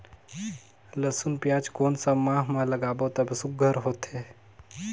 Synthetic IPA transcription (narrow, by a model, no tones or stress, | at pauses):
ləsunpjaːd͡ʒkoːnsəmmːãːɦmãləɡaːbot̪ɐbʱsʊkɡʱəɾɦoːt̪eː